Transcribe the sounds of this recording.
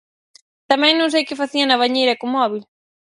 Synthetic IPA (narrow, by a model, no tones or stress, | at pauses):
t̪amɛ̃ŋnõŋsejkɪfaθiɐnɐβaɲejɾɐkomɔβ̞il